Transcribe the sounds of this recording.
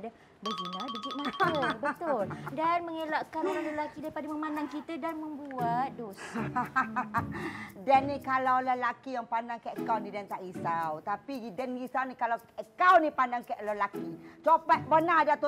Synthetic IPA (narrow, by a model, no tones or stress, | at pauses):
da | bəd͡ʒinabəd͡ʒiʔ̚mat̪əbət̪ʊldanməŋelaʔkanəɾaləlakidaipadaməmanaŋkit̪ədanməmbuat̪̚dos | dɛnːikalawləlakijaŋpandaŋkaʔkawnidant̪aʔɡisawt̪apiɡidənɡisawnikalawəkawnipandaŋkaʔləlakit͡ʃopaʔbənadat̪u